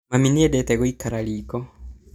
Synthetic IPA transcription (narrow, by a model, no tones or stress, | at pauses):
maminiɛdɛt̪ɛɣoikaɾaliːkɔ